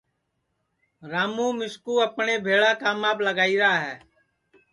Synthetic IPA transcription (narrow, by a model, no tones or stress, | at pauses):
ɾaːmũːmɪskuːəpɳeːbʱeːɭaːkaːmaːbləɡaːiːɾaːɦɛː